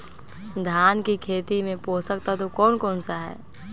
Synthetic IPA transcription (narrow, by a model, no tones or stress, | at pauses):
d̪ʱjaːnkikʰeːt̪imẽpoːsəkt̪at̪okɔːnkɔːnsaɦɛ̰ː